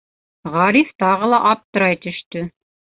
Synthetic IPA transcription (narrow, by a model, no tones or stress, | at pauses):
ʁɑɾift̪ɑʁɤlˠɑʔɑp̚t̪ɤ̆ɾɑjt̪ɵ̆ʃt̪ɵ